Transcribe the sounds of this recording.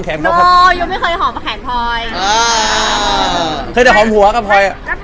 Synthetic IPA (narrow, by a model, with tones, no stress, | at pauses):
kʰɛː˨˦mkːkʰːjuː˧˩ma˥˩jkʰɤː˧jɦɔː˨˦m˧kʰaː˨˩˦npʰɔː˧jʔaː˧ | kʰɤː˧jda˧˩ɦɔː˨˩˦mhu˨˩˦ɐ˦˧ka˨˩p̚ʰɔː˧ja˨˩